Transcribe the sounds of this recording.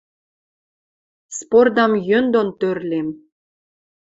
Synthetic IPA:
spord̪ɑmjønd̪ont̪ørlʲem

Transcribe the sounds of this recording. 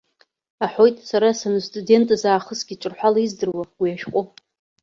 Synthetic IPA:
aħo̞jtʼsaɾasanɨstʼude̞ntʼɨzaːχəsɡ̥ʲiʈ͡ʂʷʼɨrħʷalaizdɨrwaɡ̥ʷijaʃqʷʼo

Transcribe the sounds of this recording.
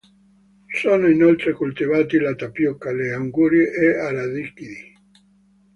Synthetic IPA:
soːnoinolt̪ɾekult̪ivaːt̪ilat̪apjɔkːaleaŋɡuːɾjiʔeaɾaðikid̪i

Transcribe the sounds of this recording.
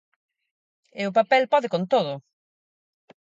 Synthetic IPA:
ɪʊp̬apɛlpɔðɪkont̪oðʊ

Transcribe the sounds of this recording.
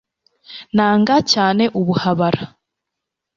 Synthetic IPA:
naːŋɡacaːne̞ʔuβuhaβaɾa

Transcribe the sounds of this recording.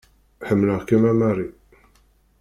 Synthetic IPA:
ħəmːləʁkæmæmæri

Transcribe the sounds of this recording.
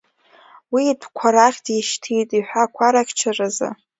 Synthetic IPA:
wiːpʰkʷʰaɾaχʲtʰʼiʃtʰijtʼiħʷᶣakʷʰaɾakʲt͡ʃʰaraza̰

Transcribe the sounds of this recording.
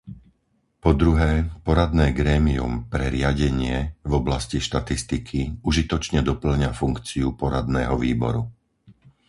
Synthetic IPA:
pɔd̪ɾuɦɛːpɔɾad̪nɛːɡɾɛːmiṵmpɾɛɾɪaɟɛɲɪɛvɔblasciʃt̪at̪ist̪ikʰiuʒit̪ɔt͡ʃɲɛd̪ɔpl̩ɲafuŋkt͡siupɔɾad̪nɛːɦɔʋiːbɔ̰ɾu

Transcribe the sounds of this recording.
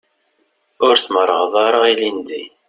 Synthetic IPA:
ʊɾθməɾˤːəʁðˤɑɾˤəʁilind̪i

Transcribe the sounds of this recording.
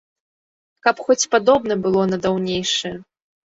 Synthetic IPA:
kɐpxɔt͡sʲpad̪ɔbnɐbɨlˠɔnɐd̪awnʲejʂɨjɛ

